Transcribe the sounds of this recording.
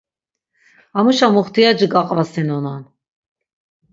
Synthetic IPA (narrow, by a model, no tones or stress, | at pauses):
amuʃamuχt̪ʰijad͡ʒiɡaqʼvasɛnɔnan